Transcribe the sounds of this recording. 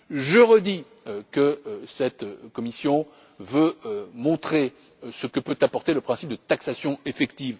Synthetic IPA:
ʒəʁəd̪i | kəsɛt̪kɔmisjɔ̃ | vømɔ̃t̪χe | səkəpøt̪apɔʁt̪eləpχɛ̃sip̚d̪ət̪aksasjɔ̃efɛkt̪iv

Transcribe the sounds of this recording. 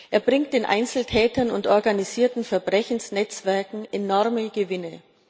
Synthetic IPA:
ʔeːɐbʁɪŋkt̚d̥eːnʔa̰ɪnt͡sl̩tʰɛːtɐnʊntʔɔɐɡaniziːɐtn̩fɛɐbʁɛçn̩snɛt͡sv̥ɛɐkŋ̩ʔenɔɐməɡəvɪnə

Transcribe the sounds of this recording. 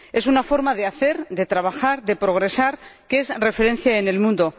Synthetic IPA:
e̞sunafo̞ɾmaðe̞aθe̞ɾd̪e̞t̪ɾaβ̞axaɾðe̞pɾo̞ɣ̞ɾe̞saɾkeesre̞fe̞ɾẽ̞nθjaene̞lmũnd̪o̞

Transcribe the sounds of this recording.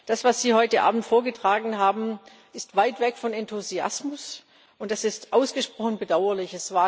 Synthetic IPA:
d̥asv̥asz̥iːhɔʏtəʔa̰ːbm̩tfoːɐɡətʁ̥aːɡŋ̩ɦaːbm̩ | ʔɪstv̥aɪtv̥ɛkfɔnɛntʰuzia̰smʊs | ʊntd̥asɪstʔaʊsɡ̥əʃpʁ̥ɔxnbədaʊɐlɪçɛsv̥aː

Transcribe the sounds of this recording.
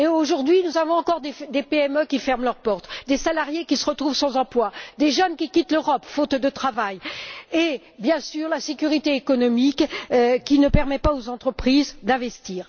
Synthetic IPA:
eoʒuʁd̪ɥinuzavɔ̃ɑ̃kɔʁd̪ed̪epeɛmøkʲifɛʁmlœʁpɔʁt̪d̪esalaʁjekʲisəʁət̪χuvsɑ̃zɑ̃plwad̪eʒənkʲikʲit̪løʁɔpfot̪d̪ət̪χavaje | bjɛ̃syʁlasekʲyʁit̪eːkɔnɔmikkʲinəpɛʁmɛpaozɑ̃t̪χəpχizd̪ɛ̃vɛst̪iːʁ

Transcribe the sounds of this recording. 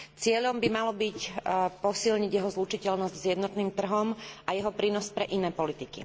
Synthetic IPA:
t͡sɪɛʎɔmbimalɔbicpɔsilɲiɟjɛɦɔzlut͡ʃicɛlnɔzɟzjɛd̪nɔt̪niːmt̪r̩ɦɔmʔajɛɦɔpɾiːnɔspɾɛʔinɛːpɔlit̪ikḭ

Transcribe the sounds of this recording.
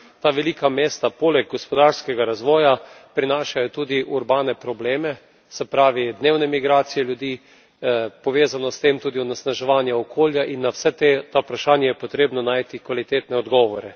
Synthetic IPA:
t̪aːʋɛliːkameːst̪apoːlɛɡ̚ɡɔspɔd̪aɾskɛɡaɾazʋɔːja | pɾinaːʃajɔt̪uːd̪iʔuɾbaːnɛpɾɔbleːmɛ | sɛpɾaːʋid̪neːwnɛmiɡɾaːt̪sijɛljud̪iː | pɔʋeːzanɔst̪eːmt̪uːd̪iɔnɛsnaʒɛʋaːnjɛɔkʰoːljaʔinːawsɛt̪et̪apɾaʃaːnjɛjɛpot̪ɾeːbnɔnaːjt̪ikʋalit̪eːt̪nɛɔd̪ɡɔːʋɔɾɛ

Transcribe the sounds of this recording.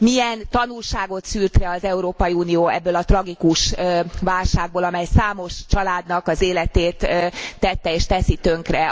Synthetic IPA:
miɛnt̪ɒnulʃaːɡo̞t̪syːrt̪rɛɒzɛuɾoːpɒjiuːnioːɛbːøːlɒt̪rɒɡikuʃvaːlʃaːɡ̚boːlɒmɛjsaːmo̞ʃt͡ʃɒlaːd̪nɒkɒzeːlɛt̪eːt̪ːɛt̪ːɛeːʃt̪ɛsit̪øŋkrɛ

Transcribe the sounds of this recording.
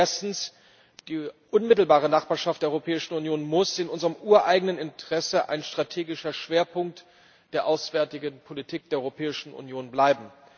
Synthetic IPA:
ʔeɐstn̩s | d̥iːʔʊnmɪtl̩baːʁ̞ənaχb̥aːɐʃaftd̥eːɐɔʏʁopʰɛːɪʃn̩unjoːnmʊsɪnʔʊnzəʁəmʔuːɐʔaɪɡənənɪntʰəʁ̥ɛsəʔa̰ɪnʃtʁ̥atʰeːɡɪʃɐʃv̥eːɐpʰʊŋk̚t | d̥eːɐʔaʊsv̥ɛːɐtɪɡənpʰolitʰiːk̚d̥eːɐɔʁopʰɛːɪʃn̩ṵnjoːnblaɪbm̩

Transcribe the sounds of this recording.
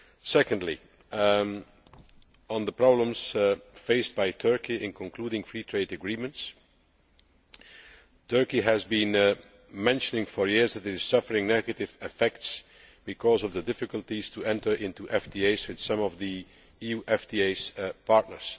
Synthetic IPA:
sɛkndˡli | ə̃nðəpɹɑblə̃mz̥feɪstb̥aɪtʰɜ˞kiʔɪ̃nkʰɔ̃nkl̥uːɾɪ̃ŋfɹiːtʰɹeɪdɨɡɹĩmə̃nts | tʰɜ˞kiɦæzbĩn | mɛ̃nʃənɪ̃ŋfɔɹjɪɹzðætɪtɨz̥sʌfəɹɪ̃ŋnɛɡɨtɪvɪfɛkts | b̥ɨkʰɔzɔvðədɪfɨkəlˠtiz̥tʰuɛ̃ntə˞ʔɪ̃ntuʔɛfdieɪzwɨð̥sʌ̃mɔvði | ijuːʔɛfdieɪz̥pʰɑɹtⁿnə̰˞z̥

